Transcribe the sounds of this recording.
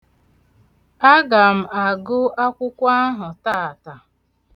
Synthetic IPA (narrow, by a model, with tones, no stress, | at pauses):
a˦ɡa˨m̩˨a˨ɡʊ˦a˦kʷʊ˦kʷa˦ɦʊ˨taː˦˨a˨ta˨